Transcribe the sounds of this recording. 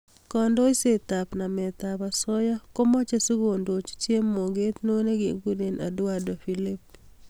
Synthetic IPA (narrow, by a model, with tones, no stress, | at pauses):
kɔ˨ndɔ˦i˦se˦t̪a˨pna˨mɛ˨t̪apa˨sɔ˦jɔ˦ko˦mɔ˦t͡ʃe˦su˦ɡo˨ndo˨t͡ʃt͡ʃje˦mːo˨ɡe˦t̪no˦ne˦ɡi˨ɡu˦de˨na̰˨dʊ˦ado˨filɪ˦p̚